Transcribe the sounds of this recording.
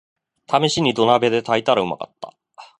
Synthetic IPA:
t̪ʰamʲiɕiɲ̟id̪o̞nabe̞d̪e̞t̪ʰait̪aɾaɯ̟ma̰ka̰t̪ːḁ̰

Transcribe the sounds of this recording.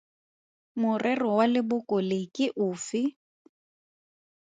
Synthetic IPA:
mʊrʔɛrɔwalɪbʊkʼɔlɪkʼɪʔʊːfɪ

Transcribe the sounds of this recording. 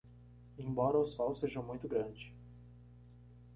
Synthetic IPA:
ẽj̃bɔɾɐʊsɔwseʒɐmũj̃t̪ʊɡɾɐ̃d͡ʒɪ

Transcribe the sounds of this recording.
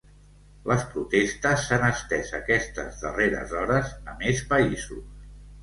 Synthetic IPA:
ləspɾut̪est̪əsːanəst̪ɛzəkɛst̪əzðəreɾə̰zɔɾəzəmespəizus

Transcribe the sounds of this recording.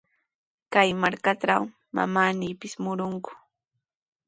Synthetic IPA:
kajmaɾkaʈ͡ʂaw | ma̰maːniːpɪsmʊɾʊŋkʊ̥

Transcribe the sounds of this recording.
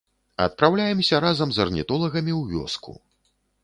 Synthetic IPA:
ɐ̰t̪̚pɾawlʲajɛmsʲɐɾazɐmzɐrnʲḭt̪ɔlˠɐɣɐmʲiwvʲɔ̰skṵ

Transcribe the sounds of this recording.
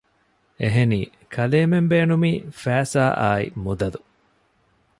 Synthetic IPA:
eɦeniː | kʰɐleːmembeːnumiːfæːsaːʔa̰ːḭmud̪ɐlu

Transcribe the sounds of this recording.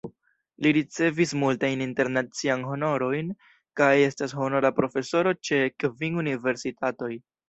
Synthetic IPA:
liɾit͡se̞vismultajninte̞ɾnat͡sianɦo̞no̞ɾo̞jn | kaje̞stasho̞no̞ɾapɾo̞fe̞so̞ɾo̞t͡ʃe̞kviŋunive̞ɾsitʰato̞j

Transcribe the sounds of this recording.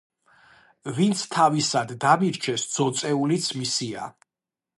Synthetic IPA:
vint̪sʰt̪ʰavisad̪ːamiɾt͡ʃʰɛsd̪z̥ɔt̪sʼɛulit̪sʰmisia̰

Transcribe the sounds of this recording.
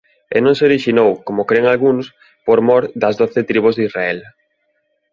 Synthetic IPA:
ḛnõŋseoɾiʃinowkomʊkɾeŋalɣuns | poɾmɔɾd̪ɐzðoθɪt̪ɾiβ̞ozðisraɛl

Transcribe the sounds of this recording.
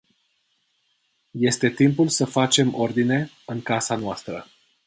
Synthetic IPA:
je̞st̪e̞t̪impulsəfat͡ʃe̞mʔo̞rd̪ine̞ | ɨŋkasanoast̪ɾə

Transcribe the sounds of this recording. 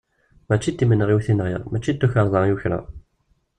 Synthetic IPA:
mæt͡ʃːit̪ːimənʁiwθinʁiʁmæt͡ʃːit̪ːuçɑɾˤðˤɑjuçɾæ̰

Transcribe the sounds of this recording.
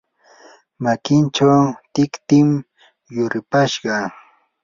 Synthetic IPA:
makɪnt͡ʃawt̪ɪkt̪ɪm | jʊɾɪpaʃɢɑ

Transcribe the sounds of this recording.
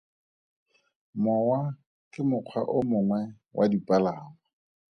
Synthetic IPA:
mɔwa | kʼɪmʊq͡χʰwa̰ʔʊmʊŋwɛ | wʔa̰dipʼalaŋɔ

